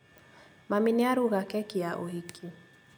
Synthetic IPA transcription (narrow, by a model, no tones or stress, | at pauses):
maminɛaɾuɣakɛkiaʔoɦikʰi